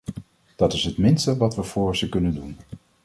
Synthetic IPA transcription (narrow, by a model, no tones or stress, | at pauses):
d̥ɑtɪsɦətmɪnstəʋɑtʋəfʊːɹsəkɵnəndun